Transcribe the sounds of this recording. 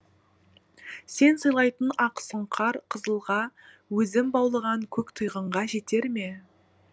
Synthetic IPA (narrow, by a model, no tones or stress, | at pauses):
se̞nsəjlˠɑjt̪ənɑqə̥səɴqʰɑɾqʰəzəlˠʁɑ | wɵzɪmbɑwlˠəʁɑŋkʲʰɵkt̪ʰəjʁəɴʁɑʒe̞t̪e̞ɾme̞